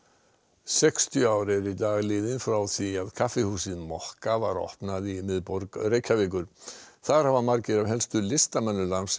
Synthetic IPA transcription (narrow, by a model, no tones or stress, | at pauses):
sɛkst̪ʰjʏaːwɾɪɾit̪aːɣlɪːðɪnfɾawθiaðkʰafɪhuːsɪðmɔhkavaɾɔ̰hpnaðimɪðpɔɾkrejcʰavɪːk̬ʏɾ̥θaðɾ̥havamaɾcɪɾavɦɛlst̪ʏlɪst̪amɛnːʏlans